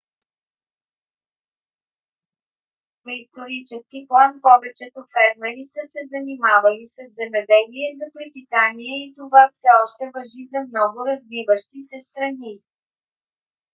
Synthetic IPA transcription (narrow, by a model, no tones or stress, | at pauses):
nɐist̪oɾit͡ʃɛskiplˠanpɔvɛt͡ʃɛt̪ofɛɾmɛɾisəsɛzɐnimavɐlisɐzzɛmɛd̪ɛliɛzɐpɾit̪it̪aniɛit̪ovafsɛɔʃt̪ɛvɐʒizɐmnɔɡʊɾɐzvivəʃt̪isɛst̪ɾɐni